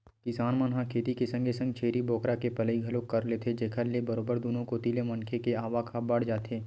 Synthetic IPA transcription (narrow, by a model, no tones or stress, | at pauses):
kɪsaːnmə̃nɦãkʰeːt̪ikesɐ̃ŋɡʱesɐ̃ŋɡ̚t͡ʃʰeːɾibɔːkɾakepɐləiɡʱɐlõkɐɾleːt̪ʰed͡ʒeːkʰəɾlebɐɾoːbəɾd̪ʊnõkot̪iːlemɐ̃nkʰekeaːʋakʰabɐɽd͡ʒaːt̪ʰeː